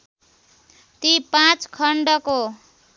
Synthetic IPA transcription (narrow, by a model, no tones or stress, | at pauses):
t̪ipãt͡skʰʌɳɖʌko